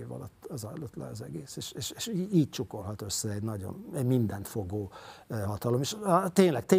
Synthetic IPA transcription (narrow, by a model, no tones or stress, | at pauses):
evɒ̰lɒt̪ːɒzɒlot̪lɛ̰ɒzɛɡeːseːʃeːʃeːʃiiːc̚t͡ʃuko̞lɦɒt̪ø̞sːɛɛɟnɒɟo̞̰nɛɟmind̪ɛnt̪foɡoːɦɒt̪ɒlomeʃt̪eːɲlɛk̚t̪eː